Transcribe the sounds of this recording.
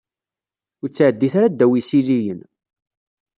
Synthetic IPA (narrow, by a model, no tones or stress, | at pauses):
ʊɾt͡sːʕəd̪ːiθaɾad̪ːæwisilijən